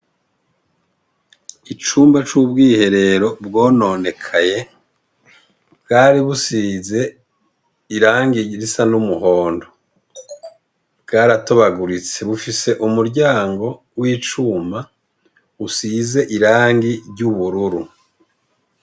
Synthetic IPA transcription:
it͡ʃuːmbat͡ʃubɡiːhe̞ɾe̞ɾo̞bɡoːno̞ːne̞kʰaje̞ | bɡaːɾiβusize̞ | iɾaːŋɡiɾisanumuɦoːndo̞ | bɡaːɾatoβaɡuɾit͡se̞βufise̞ʔumuɾɟaːŋɡo̞ | wiːt͡ʃuːmba | usiːze̞ʔiɾaːŋɡiɾɟuβuɾuɾu

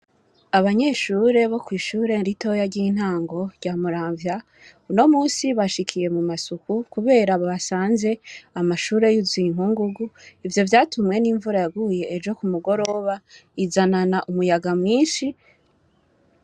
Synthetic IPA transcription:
aβaɲe̞ːʃuːɾe̞βo̞kwiːʃuːɾe̞nɾito̞jaɟin̥haːŋɡo̞ɾɟ̥aːmuɾaːɱvja | uno̞muːnsiβaʃikʰije̞mumasukukuβe̞ːɾaβoβasaːnze̞amaʃuːɾe̞juziŋ̥ɦuŋɡuɡuivjo̞vjaːtumŋe̞niːɱvuɾajaɡuje̞ːd͡ʒo̞kumuɡo̞ɾo̞βaizananaʔumujaɡamŋiːnʃi

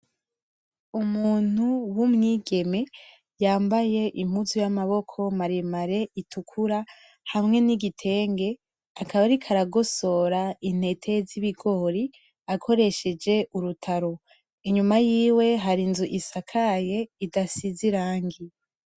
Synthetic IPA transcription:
umuːn̥uwumŋiːɡe̞me̞ | jaːmbaje̞ʔim̥uzujamaβo̞kʰo̞maɾemaɾe̞ʔitʰukʰuɾa | hamŋe̞niɡitʰe̞ːŋɡe̞ | akʰaβaɾikʰaɾaɡo̞so̞ɾain̥he̞tʰe̞ziβiɡo̞ɾi | akʰo̞ɾeʃe̞d͡ʒe̞ʔuɾutʰaɾo̞ | iɲumajiːwe̞ɦaɾinzuʔisakʰaje̞idasiziɾaːŋɡi

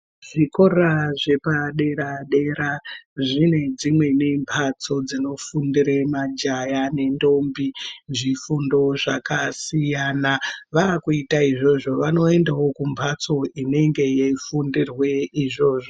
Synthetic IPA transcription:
ʐ̥iko̞ɾaʐe̞paɗe̞ɾaɗe̞ɾaʐine̞d͡zimwe̞nempʰat͡so̞d͡zino̞fundiɾemad͡ʒajane̞ndo̞mbiʐifundo̞ʐakasijaːnaʋakuitaiʐo̞ʐo̞ʋano̞e̞ndawo̞kumpʰat͡so̞ine̞ŋɡe̞jeifundirwe̞iʐo̞ːʐo

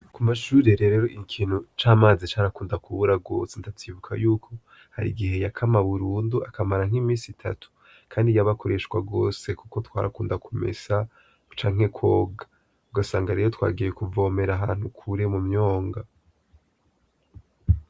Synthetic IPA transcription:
kumaʃuːɾeɾe̞ɾeɾo̞ʔikʰiːn̥ut͡ʃaːmaːzit͡ʃaːɾakuːndakuβuɾaɡo̞ːsentatʰivukʰa̰juːkʰo̞ | ha̰ɾḭɡiɦe̞jakʰamaβuɾuːnduakʰamaɾaŋ̥himiːsitʰa̰tʰu̥ | kʰaːndijaβakʰo̞ɾe̞ʃkwaɡo̞ːse̞kuko̞twa̰ːɾa̰kuːndakʰomḛza | t͡ʃaːŋ̥he̞kʰwo̞ːɡḁ | uɡasaːŋɡaɾe̞ːɾotwa̰ːɡijekuvo̞ːme̞ɾaɦaːn̥hukʰuɾe̞mumɲo̞ːŋɡa

